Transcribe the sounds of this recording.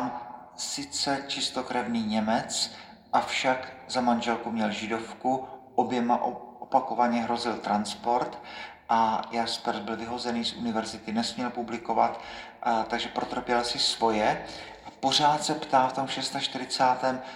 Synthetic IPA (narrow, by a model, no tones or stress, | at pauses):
am | sɪt͡sɛt͡ʃɪst̪o̞kɾɛvniːɲɛmɛt͡s | ʔafʃakzamanʒɛlkumɲɛlʒɪdo̞fkuʔo̞bjɛmaʔʔopako̞vaɲɛɦɾo̞zɪlt̪ɾanspo̞ɾt̪ | ʔajaspɛɾt̪̚bɪlvɪɦo̞zɛniːsʔunɪvɛɾzɪt̪ɪnɛsmɲɛlpublɪko̞va̰t̪ | t̪aɡʒɛpɾot̪ɾopjɛlsɪsvo̞jɛʔapo̞r̝aːt̪sɛpt̪aːft̪o̞mʃɛst̪aʃt̪ɪɾɪt͡saːt̪ɛːm